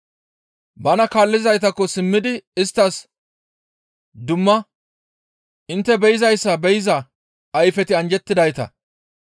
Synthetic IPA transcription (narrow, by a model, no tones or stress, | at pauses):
bɐnɐkaːlːɪzɐjt̪̬ɐkːɔsɪmːɪd̪ɪɪst̪ːɐs | d̪ʊmːɐ | ʔɪnt̪ːɛbɛjɪzɐjsːɐbɛjɪzɐː | jfɛt̪ɪɐnd͡ʒɛt̪ːɪd̪ɐjt̪ɐ̰